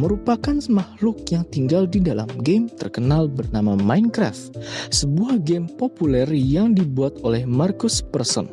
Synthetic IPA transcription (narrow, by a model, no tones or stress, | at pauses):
məɾupakanmahlʊk̚jaŋt̪iŋɡaldidala̰mɡemt̪ərkənalbərnamamajnkɾa̰ft̪səbuahɡempopulɛrjaŋdibuat̪olɛhmarkʊspərsɔ̰n